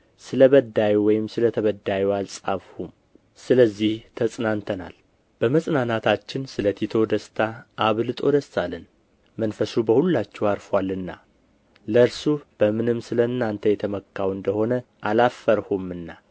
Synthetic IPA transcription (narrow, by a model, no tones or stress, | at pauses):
sɨləβəd̪ajuwɔjɪmsɨlət̪ʰəβəd̪ajɛalsʼafhum | sɨləzːiht̪ʰəsʼnant̪ʰəna̰l | b̥əməsʼnanat̪ʰat͡ʃːɪnsɨlət̪ʰit̪ʰo̞d̪əst̪ʰaʔːβlɨt̪ʼo̞d̪əst̪alːɨn | mənfəsubəhulːat͡ʃːɛwaɾfwalːɨnːa̰ | ləɨɾsub̥əmɨnɨmːsɨləɨnːant̪ʰəjɛt̪ʰəməkːawɨnd̪əho̞nəʔalafːəɾhumɨnːa